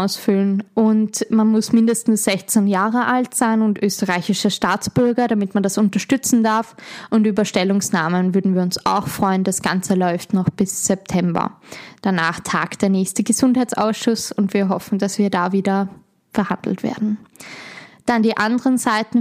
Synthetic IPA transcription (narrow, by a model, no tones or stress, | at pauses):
ʊsfʏlənʔʊntmanmʊsmɪndəstn̩sz̥ɛçt͡senjaːʁəʔaltz̥aɪnʊntʔøːstəʁaɪçɪʃəʃtaːt͡sb̥ʏɐɡɐɾamɪtmandasʊntɐʃtʏt͡sn̩daɐfʔʊntʔyːbɐʃtɛlʊŋsnaːmənvʏɐdn̩viːɐʊnsa̰ʊxfʁ̥ɔʏəndasɡ̥ant͡səlɔʏftnɔχb̥ɪsz̥ɛp̚tʰɛmbɐ̰d̥ana̰ːχtʰaːktd̥eːɐnɛːçstəɡəzʊnthaɪt͡sa̰ʊsʃʊsʊntv̥iːɐɦɔfn̩dasv̥iːɐdaːviːdɐ | fɛɐhandl̩tv̥ḛːɐdn̩ | d̥andiːʔandəʁənzaɪtn̩